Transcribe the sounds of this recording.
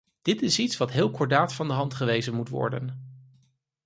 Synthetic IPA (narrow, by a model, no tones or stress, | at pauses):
d̥ɪtɪsitsʋɑtɦɪːlˠkɔɹdaːtfɑndəɦɑntχəʋejzənmutʋɔ̰ɹdə̰n